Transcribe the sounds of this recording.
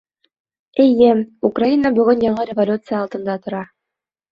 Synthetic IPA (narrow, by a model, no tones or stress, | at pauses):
ejɘukrainabɵɣɵnjɑɴɤɾʲevolʲut̪sɨjaːlˠt̪ɤ̆nd̪ɑt̪ŏɾɑ